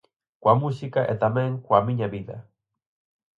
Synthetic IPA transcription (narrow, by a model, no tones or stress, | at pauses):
kwamusikaʔet̪ameŋkwamiɲaβiða̰